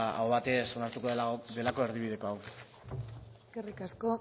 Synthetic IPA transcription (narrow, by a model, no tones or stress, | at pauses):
a̰oβat̪e̞sonaɾt̪ukod̪e̞lako̞e̞ɾðiβiðe̞ko̞aw | eskerikasko̞